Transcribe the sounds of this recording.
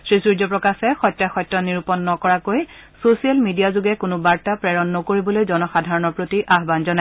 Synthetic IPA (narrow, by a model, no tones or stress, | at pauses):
sɹisuɹd͡ʒɔpɹɔkasɛxɔjtːaxɔjtːɔniɹupɔnːɔkɔɹakoj | sosialmidijazʊɡɛkʊnʊbaɹtapɹɛɹɔnːokoɹibɔlojzɔnɔxadʱaɹɔnɔɹpɹotiʔaɦbanzɔnaj